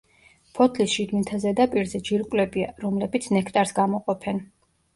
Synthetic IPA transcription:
pʰɔt̪ʰlisʃid̪mint̪ʰazɛd̪apʼiɾzɛd͡ʒiɾkʼwlɛbiaɾɔmlɛbit̪sʰnɛkʰt̪ʼaɾsɡamɔqʼɔpʰɛn

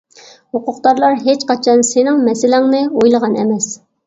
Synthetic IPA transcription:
hoqʊqt̪ɑɾlˠɑɾɦet͡ʃqɑt͡ʃʰɑnsɪnɪŋmɛsɪlɪŋnɨojlˠəʁɑnɛ̰mɛs

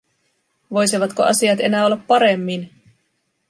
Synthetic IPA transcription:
ʋo̞jsiʋɑt̪koʔɑ̰siɑt̪e̞næːo̞lːɑpːɑɾe̞mːin

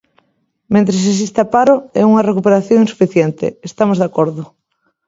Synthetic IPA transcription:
mẽnt̪ɾes̬es̬ist̪apaɾʊɛ̰uŋɐrekupeɾaθjõŋinsu̥fiθjɛnt̪ɪ̰ːst̪amozðakoɾðʊ

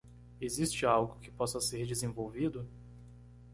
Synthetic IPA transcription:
ezist͡ʃɪawɡʊkɪ̥pɔsɐseɾd͡ʒɪzẽvowvid̪ʊ

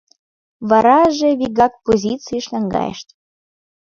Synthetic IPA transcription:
βɑɾɑʒĕβiɣɑk̚pozʲit͡siʃlʲɑŋɡɑ̰jḛʃt̪

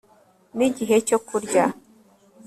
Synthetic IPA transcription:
niɟiɦe̞cokuɾɟa

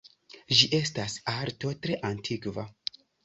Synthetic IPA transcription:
ʒiʔe̞stasaɾto̞tɾe̞ʔantʰikva

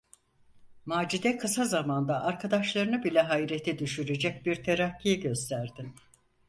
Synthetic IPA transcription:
maːd͡ʒid̪ɛkʰɯsazamand̪aʔaɾkʰad̪aʃlˠaɾɯnɯbilʲɛɦaiɾet̪ʰɛd̪yʃyɾed͡ʒɛc̚biɾt̪ʰeɾacʰːijɛɟø̞st̪ʰæɾd̪im

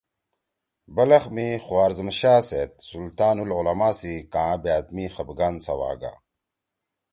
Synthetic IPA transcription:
bɐlɐχmiχuwaːɾzəmɕaːset̪̚sult̪aːnululɐmaːsikãːbjaːt̪mixɐbɡansɐwa̰ːɡa̰

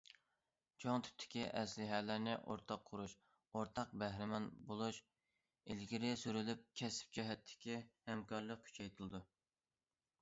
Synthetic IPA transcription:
t͡ʃʰoŋt̪ʰy̥p̚t̪ʰɪ̥kʲiʔɛslɪɦɛːlæɾnɪʔoɾt̪ʰɑqʰːʊɾuʃ | oɾt̪ʰɑq̚bæhɾɪmɑnbolˠuʃ | elɡʲiɾɪsyɾylyp̚kʲʰɛsɪ̥p̚d͡ʒɛɦɛt̪ʰːɪ̥kʲihɛmkʰɑɾlˠəq̚kʲʰy̥t͡ʃʰɛjt̪ʰɨlˠɨd̪u

